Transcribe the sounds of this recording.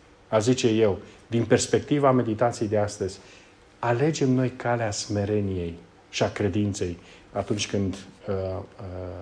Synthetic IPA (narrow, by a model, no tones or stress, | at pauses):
azit͡ʃe̞je̞wd̪inpe̞rspe̞k̚t̪ivame̞d̪it̪at̪sijejd̪east̪əzʲ | ale̞d͡ʒe̞mno̞jkaleasme̞ɾe̞nije̞j | ʃiakɾe̞d̪int̪se̞j | at̪unt͡ʃʲkɨnd̪